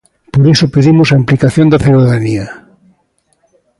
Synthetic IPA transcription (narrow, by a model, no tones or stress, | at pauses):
poɾesopeðimʊsaimplikaθjõnd̪ɐθjuðaðania